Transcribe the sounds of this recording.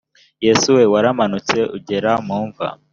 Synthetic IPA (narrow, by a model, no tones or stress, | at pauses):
jesuwe̞waɾamanut͡se̞ʔuɟe̞ɾamuːɱva̰